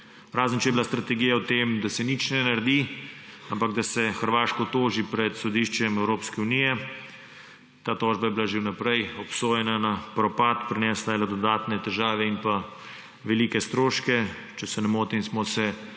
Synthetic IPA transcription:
ɾaːzənt͡ʃɛjɛbilast̪ɾat̪ɛɡijawt̪emd̪asɛnit͡ʃnɛnaɾd̪iampaɡd̪asɛxəɾʋaːʃkɔt̪oːʒipɾɛt̪sɔd̪iːʃt͡ʃɛmɛwɾoːpskɛunijɛ | t̪aːt̪ɔːʒbajɛbilaʒewnapɾɛjɔpsoːjɛnanapɾɔpat̪pɾinɛːslajɛlɔd̪ɔd̪aːt̪nɛt̪ɛʒaːʋɛinpa | ʋɛliːkɛst̪ɾoːʃkɛ | t͡ʃɛsɛnɛmoːt̪insmɔsɛ

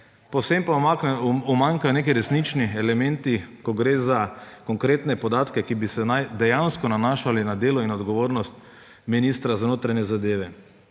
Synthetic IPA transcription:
posempa | umaŋkajɔneːkɛjɾɛsnit͡ʃniɛlɛmɛnt̪ikɔɡɾeːzakɔŋkɾeːt̪nɛpɔd̪aːt̪kɛkibisɛnajd̪ɛjanskɔnanaːʃalinad̪eːlɔinɔd̪ɡɔʋoːɾnɔst̪ | miniːst̪ɾazanoːt̪ɾaɲɛzad̪eːʋɛ

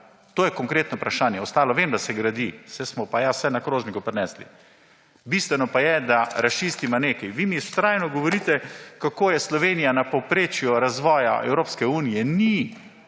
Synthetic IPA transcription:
t̪oːjɛkoŋkɾeːt̪nɔpɾaʃaːnjɛɔst̪aːlɔʋemd̪asɛɡɾad̪isɛsmɔpajasɛnakɾoːznikupɾnɛslḭ | bist̪ʋɛnɔpajɛd̪aɾaʃt͡ʃist̪imaneːkajʋimist̪ɾaːjnɔɡɔʋɔɾiːt̪ɛkakoːjɛslɔʋeːnijanapopɾeːt͡ʃjuɾazʋɔːja̰ʔɛ̰wɾoːpskɛuːnijɛni

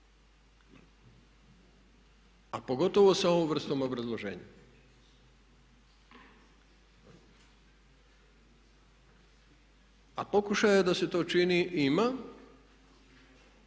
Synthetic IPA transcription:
apo̞ɡo̞t̪o̞ʋo̞sao̞ʋõmʋr̩st̪oːmo̞bɾazlˠoʒḛːɲe | apo̞kuʃajad̪ase̞t̪o̞ːt͡ʃiniʔima

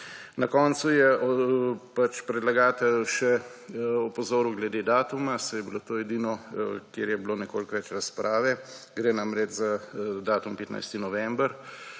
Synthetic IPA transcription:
nɐkɔnsujɛʔɔpat͡ʃpɾɛd̪laɡaːt̪ɛjʃɛ | ɔpɔzoːɾuɡlɛd̪eːd̪aːt̪umasɛjɛbilot̪oːɛd̪iːnɔkjeɾjɛbloːnɛkoːlkʋɛt͡ʃɾaspɾʔaːʋɛ | ɡɾeːnamɾɛt͡ʃzad̪aːt̪umpɛt̪na̰jst̪inɔʋɛmbəɾ

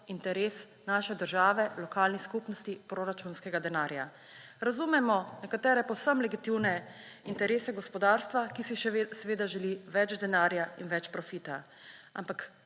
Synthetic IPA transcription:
int̪ɛɾeːs | naːʃɛd̪əɾʒaːʋɛlɔkaːlniskupnɔst̪ipɾoɾat͡ʃunskɛɡad̪ɛnaːɾja | ɾazumɛmɔnɛkat̪ɛːɾɛpɔwsəmlɛɡit̪iwnɛ | int̪ɛɾeːsɛɡɔspɔd̪aːɾst̪ʋakisiʃɛsɛʋeːd̪aʒɛliʋɛd͡ʒd̪ɛnaːɾjainʋɛt͡ʃpɾɔfiːt̪a | a̰mpak

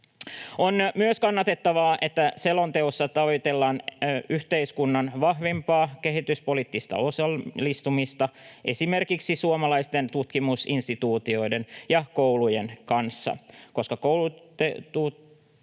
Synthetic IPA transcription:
o̞nmyøskɑnːɑt̪e̞t̪ːɑʋɑːʔe̞t̪ːæse̞lo̞nt̪e̞osːɑt̪ɑojt̪e̞lːɑːnyht̪e̞iskunːɑnʋɑhʋempɑːke̞ɦit̪yspo̞liːt̪ːist̪ɑ̰o̞sɑllːist̪umist̪ɑʔe̞sime̞rkiksisuomɑlɑjst̪e̞nt̪ut̪kimusinst̪it̪uːt̪io̞ide̞njɑko̞wluje̞nkɑnsːɑ̰ko̞skɑkowlu | et̪uː

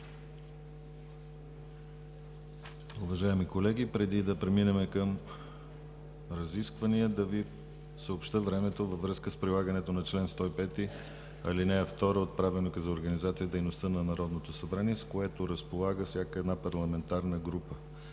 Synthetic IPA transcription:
ʊvɐʒaɛmikolɛɡipɾɛd̪id̪ɐpɾɛminɛmɛkəm | ɾɐziskvɐniəd̪ɐvi | səopʃt̪əvɾɛmɛt̪ovəvɾɤskəspɾilˠaɡənɛt̪onɐt͡ʃlɛnst̪ɔipɛt̪i | ɐ̰linɛːft̪ɔɾəot̪̚pɾavɛnokəzɐoɾɡɐnizat̪sijəd̪ɛjnost̪ənɐnɐɾɔd̪not̪osɐbɾaniɛskoɛt̪oɾəspolˠaɡəfsjakəɛd̪napɐɾlˠɐmɛnt̪aɾnəɡɾupə

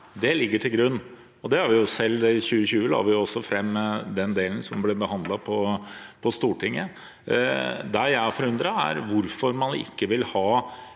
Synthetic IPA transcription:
d̪ɛlɪɡːəʈʰɪlɡɾʉnː | ɔd̪ɛhɑɾʋɪjʊsɛlːçʉːəɕʉːəlɑ̰ːʋɪjʊɔsːɔfɾɛmːd̪ɛnd̪eːlən̩sɔmblɛbəhɑnd̪lɑpʰɔpʰɔst̪uːʈʰɪŋːə | d̪æɾjæɪɔfɔɾʉnd̪ɾɑæ̰ɾʋʊɾfɔɾmɑnɪ̰kːəʋɪlhɑː

